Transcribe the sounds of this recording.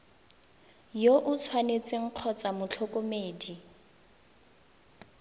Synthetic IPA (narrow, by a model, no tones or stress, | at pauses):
joʔʊt͡sʰwanet͡sɪŋ̩q͡χʰɔt͡samʊt͡ɬʰɔkʼomeːdi